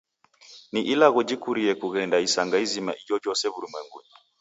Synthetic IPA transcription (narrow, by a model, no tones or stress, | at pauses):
niʔilaɣud͡ʒikuɾiɛkuɣɛndaisaŋɡaizima̰ʔid͡ʒɔd͡ʒɔsɛβuɾimwɛŋɡṵɲi